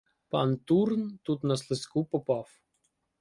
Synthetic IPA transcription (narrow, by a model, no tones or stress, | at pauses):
pɑnt̪urnt̪ut̪nɐslˠɪskupɔpɑf